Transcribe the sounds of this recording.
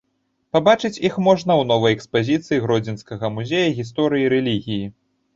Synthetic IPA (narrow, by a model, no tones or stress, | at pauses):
pabat͡ʂɨt͡sʲixmɔʐnɐwnɔvɐjɛkspazʲit̪sɨjiɣɾɔd͡zʲinskɐɣɐmuzʲejɐɣʲis̬t̪ɔɾɨjiɾɛlʲiɣʲiji